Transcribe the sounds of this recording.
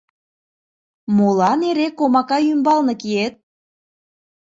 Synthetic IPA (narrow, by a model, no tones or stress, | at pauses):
molɑneɾekːomɑkɑjymbɑlnɤ̆kiet̪̚